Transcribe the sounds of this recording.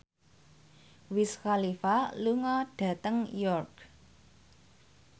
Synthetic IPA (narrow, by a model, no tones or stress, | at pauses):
wisxalifaluŋɔɖ̥ä̤t̪əŋjɔrk